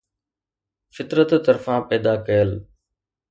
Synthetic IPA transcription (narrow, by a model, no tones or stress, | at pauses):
fɪt̪ɾət̪ːəɾfãːpɛːd̪aːkɐjəl